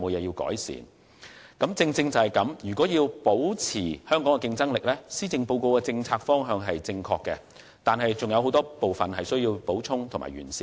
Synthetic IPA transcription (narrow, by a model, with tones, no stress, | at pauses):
mo˨˧jɛː˨˧jiː˧wkɔ̰ː˨˥jsḭː˨n | kɐ˨˥mt͡sɪ˧ŋt͡sɪ˧ŋt͡sɐ˨whɐ˨˩jkɐ˨˥mjyː˨˩kʷɔː˨˥jiː˧wpo˨˥wt͡sʰiː˨˩hœː˥ŋkɔː˨˥ŋkɛ˧kɪ˧ŋt͡sɐ˥ŋlɪ˨k̚lɛː˥siː˥t͡sɪ˧ŋpo˧wko˧wkɛ˧t͡sɪ˧ŋt͡sʰaː˧k̚fɔː˥ŋɦœː˨˧ŋɦɐ˨jt͡sɪ˧ŋkʰɔː˧kːɛ˧ | t̪aː˨nɦɐ˨jt͡sʊ˨ŋjɐ˨wɦo˨˥wt̪ɔː˥po˨wfɐ˨nɦɐ˨jsɵ˥ɥjiː˧wpo˨˥wt͡sʰʊ˥ŋt̪ʰʊ˨ŋma̰ː˨˩jɥy̰ː˨˩nsiː˧